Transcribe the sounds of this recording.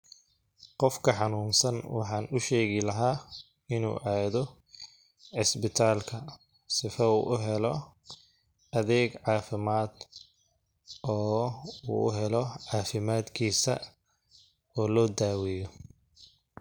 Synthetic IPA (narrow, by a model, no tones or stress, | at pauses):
qɔfkʰɐħɑnuːnsɐnwɑ̰ħɑːnʊʃɛːɣɪlɐɦaː | ɪnṵːʔaːðɔ | ʕɪsbɪt̪ʰaːlkʰɐ | sɪfɐuːʔʊɦɛlɔ | ɐðɛːɡʕɑːfɪmaːd̪ | ɔːṵːʊ̰ɦɛlɔʕɑːfɪmaːd̪kʰiːsɐ̰ | ɔːlɔːd̪aːwɛjɔ